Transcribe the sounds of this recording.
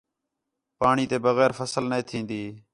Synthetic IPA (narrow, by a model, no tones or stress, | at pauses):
paːɳiːt̪eːbəɣɛːɾfəsəlnəĩːt̪ʰĩːnd̪iː